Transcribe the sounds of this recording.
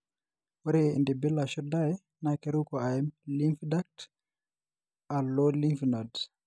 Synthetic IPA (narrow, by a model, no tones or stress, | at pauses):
wɔɾɛindibilːaʃuɾdajɛ | nakeɾukɔajɛmlinfdak̚t | alolinfnɔd